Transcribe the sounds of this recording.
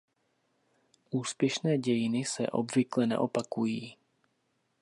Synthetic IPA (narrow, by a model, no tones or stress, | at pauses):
ʔuːspjɛʃnɛːɟɛjɪnɪsɛ̰ʔo̰bvɪklɛnɛ̰ʔo̞pakujiː